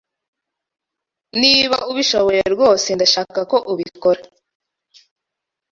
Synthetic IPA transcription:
niβauβiʃoβojeɾɡo̞ːsendaʃaːkako̞ʔuβikoɾa

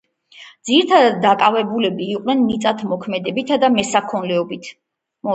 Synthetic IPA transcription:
d̪ziɾt̪ʰad̪ad̪akʼavɛbulɛbiːqʼnɛnːit̪sʼat̪ʰmɔkʰmɛd̪ɛbit̪ʰad̪amɛsakʰɔnlɛɔbit̪ʰ | mɔ

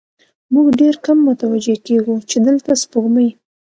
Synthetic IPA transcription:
muɡɖeɾkamːʊt̪awad͡ʒekeɡut͡ʃed̪əlt̪aspoɣməj

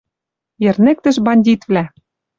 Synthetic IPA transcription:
jɘ̆rnĕk̚t̪ɘ̆ʃbɑnʲdʲit̪vlæ

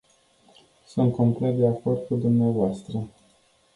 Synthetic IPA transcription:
sunt̪̚komplet̪̚d̪eako̞rd̪̚kud̪umneavoast̪ɾə

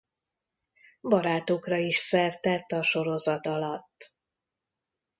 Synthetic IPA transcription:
bɒɾaːt̪okrɒiʃsɛrt̪ɛt̪ːɒʃo̞ɾo̞zɒt̪ɒlɒt̪ː

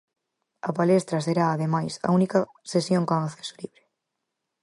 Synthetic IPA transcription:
ɐpalest̪ɾɐseɾaːðemajsɐ̰unikɐ | sesjoŋkoŋaθeso̥liβɾɪ

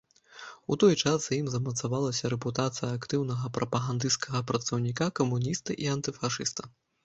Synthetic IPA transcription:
ut̪ɔjt͡ʂasjimzɐmɐt̪savalˠɐsʲɐɾɛput̪at̪sɨjɐakt̪ɨwnɐɣɐpɾʔɐpɐɣand̪ɨskʰɐɣɐpɾɐt̪sɐwnʲikakɐmunʲist̪ɨʔiant̪ɨfaʂɨst̪ɐ̥

